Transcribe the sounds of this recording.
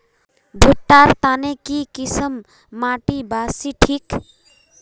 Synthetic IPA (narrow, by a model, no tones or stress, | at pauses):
bʱuʈːaɾt̪anekikisəmː | aʈibasiʈʰik